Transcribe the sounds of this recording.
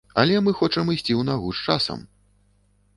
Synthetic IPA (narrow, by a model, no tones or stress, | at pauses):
ɐ̰lʲɛmɨxɔt͡ʂɐmɨsʲt͡sʲiwnaɣuʂt͡ʂasɐ̰m